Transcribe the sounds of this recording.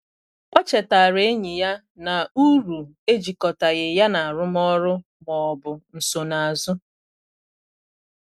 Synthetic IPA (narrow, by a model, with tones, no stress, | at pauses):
ɔ˦t͡ʃɛ˨ta˨ɾe˨e˦ɲɪ˨ja˦ | na˨u˦ɾu˨ | e˦d͡ʒi˨kɔ˨ta˨ɣɪ˨ja˦na˨ɾʊ˦m˦ɔ˦ɾʊ˦ | mɔ˨ɔ˨bʊ˨n̩˨so˨na˨a˨zʊ˦